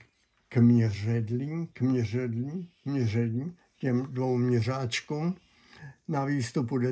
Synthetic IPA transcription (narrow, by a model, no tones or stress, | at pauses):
kmɲɛrɛdliːmkmɲɛrɛdliːmɲɛrɛdɲiː | cɛmdvowmɲɛr̝aːt͡ʃkuːm | naviːst̪upudɛ